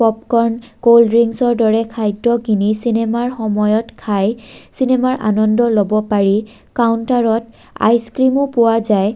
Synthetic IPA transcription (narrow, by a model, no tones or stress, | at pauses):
pɔp̚kɔɹnkolɹiŋsɔɹdɔɹɛkʰajdɔkinisinɛmaɹxɔmɔjɔtkʰajsinɛmaɹʔa̰nɔndɔlobɔpaɹi | kawntaɹɔt | a̰jskɹimupʊwazaj